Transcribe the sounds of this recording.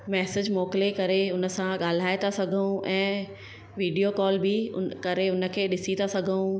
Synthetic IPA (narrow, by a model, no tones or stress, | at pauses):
mɛːsɪd͡ʑmɔːkɪlekɐɾeʊnə̆sãɠaːl̤aːet̪ʰasɐɡʱəũʔɛ̃ː | ʋiːɖijokɔːlbɪkɐɾeʊnə̆kʰeːɗɪsit̪ʰasɐɡʱũ